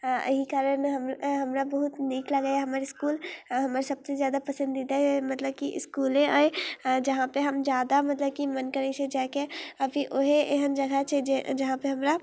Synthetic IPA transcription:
ɪɦikaːɾənɦɐmɦɐmɾabɐɦʊt̪niːklaɡaaɦɐmaːɾeskuːlɦɐmaːɾesɐbsezjaːd̪apɐsə̃nd̪id̪aɦɛmɐt̪ləbkiʔɪ̰skuːlẽɔːd͡ʒɐɦãpeɦɐmd͡ʒjaːd̪amɐt̪ləb̚kimɐnkəɾit͡ʃʰed͡ʒɛːkeɐbʱiʔoɦeʔeɦənd͡ʒɐɡat͡ʃʰed͡ʒɐɦãpeɦɐmɾa

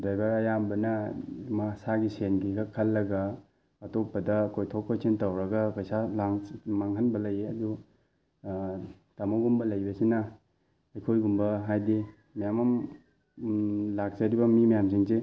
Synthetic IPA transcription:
dajbaɾɐjambɐnɐmasaɡisenɡikʰakʰɐlːɐɡɐː | tok̚pɐdɐkʰojtʰokʰːojsʰentɐwɾɐɡɐpɐjsalaŋmaŋɦɐnbɐlɐjeɐdu | tamaɡumbɐlɐjbɐsinɐ | ɐjkʰojɡumbɐɦajdi | majamɐm | lak̚t͡ʃɐɾibɐmimajams̬iŋse

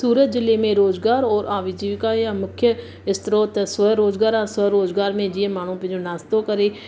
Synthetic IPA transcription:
suːɾət̪̚d͡ʒɪleːmẽːɾoːd͡ʒɡaːɾoːɾʔãːʋiːd͡ʒiːʋkaːjãːmʊkʰjə | ɪst̪ɾoːt̪səɾoːd͡ʒɡaːɾãːsəɾoːd͡ʒɡaːɾmẽːd͡ʒɪẽːmaːɳ̃ũːpɪ̃d͡ʒoːnaːst̪oːkəɾeː

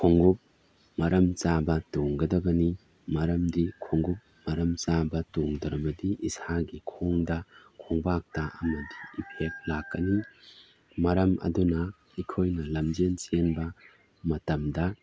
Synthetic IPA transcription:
kʰoŋɡup̚ | mɐɾɐmt͡ʃabɐtoŋɡɐdɐbɐni | mɐɾɐmdikʰoŋɡup̚mɐɾɐmt͡ʃabɐtoŋdɾɐbɐdiʔisaɡikʰoŋdɐkʰoŋbak̚tɐʔɐmɐdiipʰek̚lakːɐni | mɐɾɐmʔɐ̰dunɐ | ikʰojnɐlɐmd͡ʒent͡ʃenbɐ | mɐtɐmdɐ

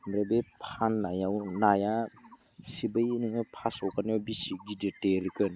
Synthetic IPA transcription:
mɾebepʰanːajawnaja | sibəjniŋɯpʰasɔkanjabisiɡiditeɾikɯn

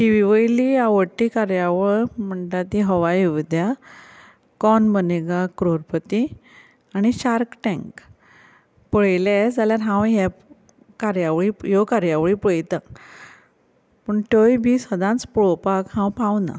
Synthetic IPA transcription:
ʈiʋiʋəjliaʋəʈːikaɾjaʋəɭm̤əɳʈat̪iɦəʋajiʋid̪ja | kɔnbəneɡakɾoɾpət̪i | aɽ̃iɕaɾkʈɛ̃ŋk | pəɭled͡zaljaɾɦãwɦɛ | kaɾjaʋɭijokaɾjaʋɭipəɭjt̪ã | pəɳʈ̪ojbʱisəd̪ãt͡spɭɔpakɦãwpãwna̰

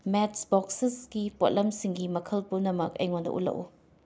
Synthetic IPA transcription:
metsbɔksisɡipot̚lɐmsiŋɡimɐkʰɐlpunɐmɐkɐ̰jŋondɐ̰ʔṵlɐ̰k̚ṵ

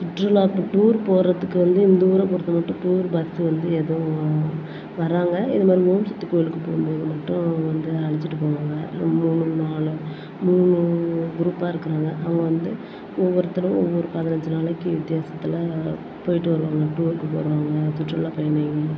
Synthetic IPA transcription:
t̪ʊʈɾɐlaːʈuːɾpoːɾrɐt̪ːɯkːɯʋɐnd̪ɯɪnd̪ɐuːɾɐpɔɽɯt̪ːɐmɐʈːʊ̃ʈuːɾbɐsɯʋɐnd̪ɯeðɐ̃ | ʋɐɾaːŋɡɐɪðɐmaːd̪ɾiɦoːmsɐt̪ːikoːjɪlɯkːɯpːoːjɯmpoːðɯmɐʈːʊ̃ʋɐnd̪ɯɐɭɪt͡ʃːɪʈːɯpoːʋaːŋɡɐmuːɳɯnaːɭɯ | muːɳɯɡʊɾuːpːaːɪɾɯkːɯɾaːŋɡɐʔɐʋɐŋɡɐʋɐnd̪ɯ | ɔʋːɔɾɐt̪ːɪɽɐ̃ɔʋːɔɾɯpɐðɪnɐɲd͡ʒɯnaːɭɐkːɯʋɪt̪ːɪjaːsɐ̥t̪ːɪlɐ | poːjɪʈːɯʋɐɾɯʋaːŋɡɐʈuːɾkːɯpo̰ːɾɯʋaːŋɡɐt̪ʊʈrɾɐɭaːpɐjɐɳɐŋɡɐ

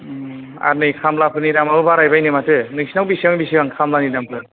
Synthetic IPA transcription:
a̰ɾnɯjkʰamlapʰɯɾnidamaɯbaɾajbajnɯmatʰɯnɯsinawbisiaŋbisiaŋkʰamlanidampʰɯ

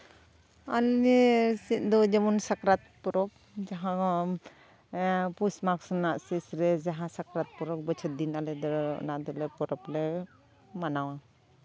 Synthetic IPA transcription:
alesit̪̚d̪ɔd͡ʒɛmɔnsakɾat̪̚pɔɾɔp̚ | d͡ʒaɦã | pusmaksɔnaʔsisɾɛd͡ʒaɦãsakɾat̪̚pɔɾɔk̚bɔt͡ʃʰɔt̪̚d̪inalɛd̪ɔnad̪ɔlɛpɔɾɔplɛ | manawa

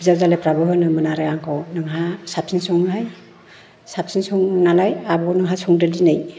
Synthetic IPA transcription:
bizawzalepɾabɯɦɯnɯmɯnaɾɯaŋkʰɔwnɯŋɦasap̚sinsɔŋɦaj | sap̚sinsɔŋnalajabɔnɯŋɦasɔŋdɯldinɯj

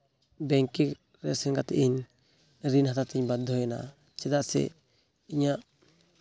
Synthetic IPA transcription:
bɛŋkik | ɾɛsɛnkat̪ɛ̰ʔiɲ | ɾinhat̪at̪iɲbad̪ʱːɔjana̰ | t͡ʃɛd̪aʔsɛ̰ | iɲaʔ

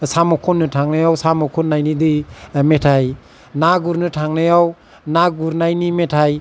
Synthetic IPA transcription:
samɔkʰɔnːɯtʰaŋnajawsamɔkʰɔnːajnidimetʰaj | naɡuɾnɯtʰaŋnajaw | naɡuɾnajnimetʰaj

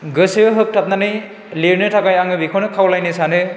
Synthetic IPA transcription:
ɡɯsijɯɦɯk̚tʰap̚nanɯj | liɾnɯtʰakajaŋɯbikʰonɯkʰawlajnɯsanɯ

